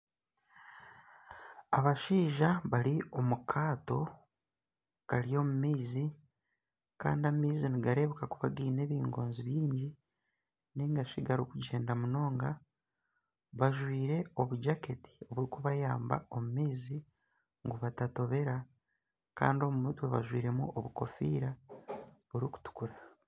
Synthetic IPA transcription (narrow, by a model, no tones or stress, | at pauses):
aβaʃiːʒaβaɾio̞mukʰaːto̞ | kaɾijo̞mumiːzi | ka̰ːndiamiːziniɡaɾe̞βukakuβaɡiːne̞ːβiːŋɡo̞̰ːnziβjiːɲɟi | niŋɡaʃiɡaɾokuɟe̞ːndamuno̞ːŋɡa | βaʒwiːɾe̞o̞βuɟake̞ti̥oβuɾikuβajaːmba̰o̞mumiːzi | ŋɡuβatato̞βe̞ɾa | ka̰ːndio̞mumutwe̞βa̰ʒwiːɾe̞muoβuko̞fḭːɾa | βuɾiku̥tu̥kuɾa